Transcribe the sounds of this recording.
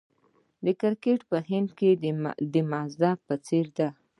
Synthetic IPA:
d̪əkɪɾkeʈpəɦɪnd̪ked̪əmɑzd̪ɑpət͡seɾd̪a

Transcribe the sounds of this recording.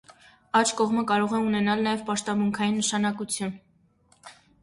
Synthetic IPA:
ɑt͡ʃʰkɔʁməkɑɾɔʁɛunɛnɑlnɑjɛvpɑʃt̪ɑmuŋkʰɑjinːəʃɑnɑkut͡sʰjun

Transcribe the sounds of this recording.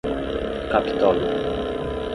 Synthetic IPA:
kapʰi̥t̪ʰɔl

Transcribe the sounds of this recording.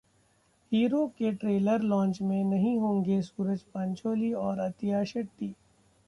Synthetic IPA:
hiːɾokeʈɾeːləɾlɔ̃ːnt͡ʃmẽnɐɦĩɦõːŋɡesuːɾəd͡ʒpɐ̃ɲt͡ʃoːliɔːɾɐt̪ɪjaːʃəʈ̪ːiː

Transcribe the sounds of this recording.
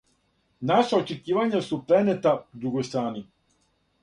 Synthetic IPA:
naʃaot͡ʃekiːʋaɲasupɾenet̪aud̪ɾuɡojst̪ɾaːni

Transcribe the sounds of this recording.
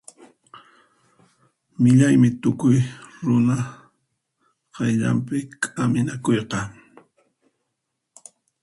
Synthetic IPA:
mɪʎajmɪt̪ʊkʊjɾʊna | qɑjʎa̰mpɪkʼamɪnakojqɑ

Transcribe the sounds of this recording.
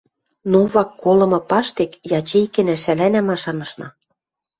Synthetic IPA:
nuβɑkːolɤ̆mɤ̆pɑʃt̪ekjɑt͡ɕejkɘ̆næʃælænæmɑʃɑnɤ̆ʃnɑ

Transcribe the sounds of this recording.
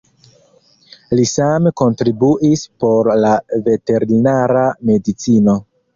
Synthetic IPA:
lisameko̞ntɾibuʔispo̞ɾlave̞te̞ɾinaɾame̞dit͡sino̞

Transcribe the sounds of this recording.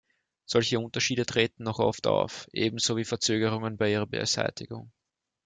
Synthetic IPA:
z̥ɔlçəʊ̃ntɐʃiːdətʁ̥eːtn̩nɔχʔɔ̰fta̰ʊfʔeːbm̩z̥oːviːfɛɐt͡søːɡəʁ̞ʊŋənbaɪiːʁɐbɛ̰ɐ̰z̥æ̰ɪtɪ̰ɡ̥ʊ̰ŋ

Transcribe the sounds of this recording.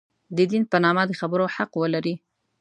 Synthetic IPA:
d̪əd̪inpənɑmad̪əxabəɾoħaqwəlaɾi

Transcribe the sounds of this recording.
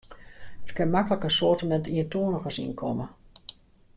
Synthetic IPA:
ətkɪnmakələkəsoətəmɛntiəntuənəxəsḭnkʰɔmə

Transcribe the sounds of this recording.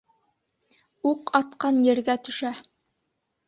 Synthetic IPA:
uqɑt̪qɑnjɘ̆ɾɡæt̪ɵ̆ʃæ

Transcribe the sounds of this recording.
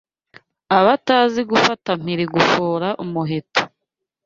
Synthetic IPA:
aβataːziɡufatam̥iɾiɡufoːɾaʔumuɦeto̥

